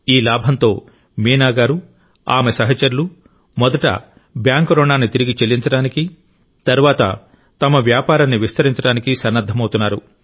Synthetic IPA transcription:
iːlaːbʱɐnt̪o̞ː | miːnaːɡaːɾu | aːmesɐɦɐt͡ʃɐɾulu | mɔd̪ɐʈɐ̰ | bjaːŋkɾɔːnaːnit̪iɾiɡit͡ʃelːiɲt͡ʃɐɽaːniki | t̪ɐɾuʋaːt̪ɐ̰ | t̪ɐmɐʋjaːpaːɾɐnːiʋist̪ɐɾiɲt͡ʃɐɽaːnikisɐnːɐd̪ʱːɐmɐwt̪unːaːɾṵ

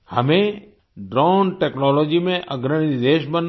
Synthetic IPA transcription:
həmẽ | ɖɾaːnʈeːknɔːlɔːd͡ʒimẽʔəɡɾəɽ̃iid̪eːʃbən

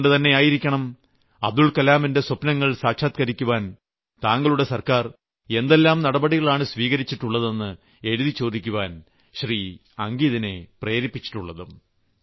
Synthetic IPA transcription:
ɳɖɨt̪ɐnːe̞aːjiɾikʲːɐɳɐm | ɐ̰b̚d̪uɭkɐlaːminde̞sopnɐŋːɐɭsaːkʂaːt̪̚kɐɾikʲːuʋaːn | t̪aːŋɡɐɭuɽe̞sɐrkaːr | e̞nd̪e̞lːaːmnɐɽɐbɐɽiɣɐɭaːɳɨsʋiːɣɐɾit͡ɕːiʈːuɭːɐðe̞nːɨ | e̞ɻuðit͡ɕo̞ːd̪ikʲːuʋaːn | ɕriː | ɐŋɡiːðine̞pre̞ːɾipːit͡ɕːi̥ʈːuɭːɐðɨm

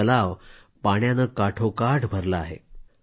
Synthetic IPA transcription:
əlaʋ | paɽjanəkaʈʰokaʈbʱəɾlaːɦḛ

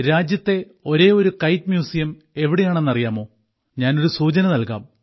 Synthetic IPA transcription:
ɾaːd͡ʑjɐt̪ːe̞ | o̞ɾe̞ːo̞ɾukɐjtmjuːsijɐm | e̞ʋiɽejaːɳenːɐrijaːmo̞ː | ɲaːno̞ɾusuːt͡ɕɐnɐnɐlka̰ːm

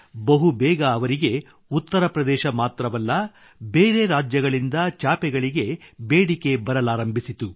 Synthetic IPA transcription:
bɐɦubɛːɡɐːʋɐɾiɡe̞ | ut̪ːɐɾɐpɾɐd̪ɛːʃɐmaːt̪ɾɐʋɐlːɐ | beːɾe̞ɾaːd͡ʒjɐɡɐɭind̪ɐt͡ʃaːpɛɡɐɭiɡe̞beːɽike̞bɐɾɐlaːɾɐmbʱisit̪u

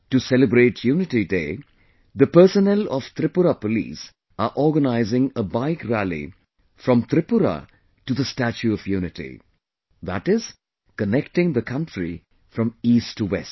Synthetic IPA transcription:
ʈusɛləbɾeːʈʰjuːnɪʈideː | d̪əpəɾsənɛlɔʋ̥t̪ɾɪpʊɾapəlḭːs | əʔɔːɡənaɪzɪ̃ŋəbaɪkɾælḭ | fɾʌ̃mt̪ɾɪpʊɾa̰ | ʈud̪əsʈæt͡ʃuɔvjuːnɪʈḭ | ðæʈɪz̥ | kənɛkʈɪ̃ŋd̪əkʰʌ̃nʈɾḭ | fɾʌ̃miːstʰːuwɛst

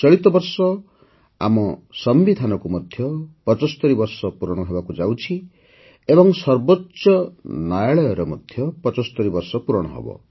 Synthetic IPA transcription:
t͡ʃɔɭit̪ɔbɔɾsɔ | a̰mɔsɔmbid̪ʱanɔkumɔd̪ʱjɔpɔt͡ʃɔsɔ̥t̪ɔɾibɔɾsɔpuɾɔɽ̃ɔɦebakud͡ʒawt͡ʃʰi | ebɔŋsɔɾbotːsɔnajaɭɔjɔɾɔmɔd̪ʱjɔpɔt͡ʃɔsɔ̥t̪ɔɾibɔɾsɔpuɾɔɽ̃ɔɦɔ̰bɔ̰

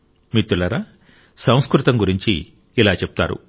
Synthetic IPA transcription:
mit̪ːulɐɾa | sɐ̃w̃skɾut̪ɐmɡuɾiɲt͡ʃḭː | laːt͡ʃep̚u̥t̪a̰ːɾṵ

